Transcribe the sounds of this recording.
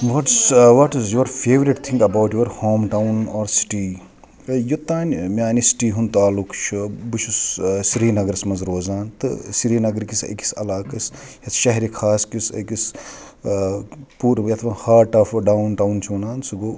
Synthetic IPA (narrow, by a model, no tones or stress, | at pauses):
ʋɐʈsʋɐʈzjoɾfʰeːʋɾiʈt̪ʰĩŋɡɐbawʈjuɾhoːmʈawnɔːɾsi̥ʈiː | jut̪aːnmʲaːnisi̥ʈiːɦunt̪aːlukʰt͡ʃʰubut͡ʃʰussɾiːnɐɡɾsmɐnzɾoːzaːnt̪ɨ̰siɾiːnɐɡɐɾkisɐ̰ki̥sɐ̰laːkɐsjɐt̪ʰʃɐɦɾikʰaːskisɐ̰kis | puːɾjɐt̪ʰʋɐhaːɾʈɐfɖawnʈawnt͡ʃʰuːnaːnsuɡoː